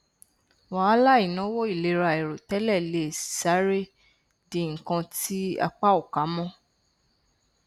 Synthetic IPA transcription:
wa˨˦a˦la˦i˨nɔ̃˨˦wo˦i˦˨le˨˦ɾa˧˨e˨ɾo˨tɛ˨˦lɛ˦˨le˦˨sa˦ɾe˦˨ | di˨ŋ̩˨kã˧ti˦a̰˧k͡pa˦o˦˨ka˨˦mɔ̃˦

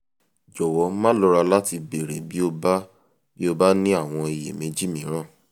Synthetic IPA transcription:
d͡ʒɔ˨wɔ˨˦mã˦lɔ˨˦ɾa˧la˦ti˧be˨ɾe˨bi˨˦o˧ba˦ | b̥i˦o˧ba˦nĩ˦a˦˨w̃ɔ̃˧i˨jḛ˨mẽ˨˦d͡ʒi˦mĩ˨˦ɾ̃ã˦˨

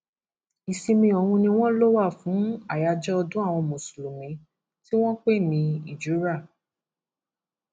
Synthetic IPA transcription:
i˨si˧mĩ˧ɔ˨hũ˧nĩ˧w̃ɔ̃˦lo˦wa˦˨fũ˨˦a˦˨ja˧d͡ʒɔ˦ɔ˧dũ˦a˦˨w̃ɔ̃˧mõ˨su̥˨lu˨mĩ˨˦ | ti˦w̃ɔ̃˦k͡pe˦˨nĩ˧i˨d͡ʒu˨˦ɾa˦˨

